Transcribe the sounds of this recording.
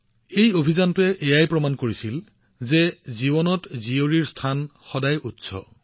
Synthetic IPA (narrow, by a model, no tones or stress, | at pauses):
ejobʱizantʊɛʔejajpɹɔmankoɹisil | zɛzibɔnɔtzioɹiɹstʰanxɔdajutsɔ̰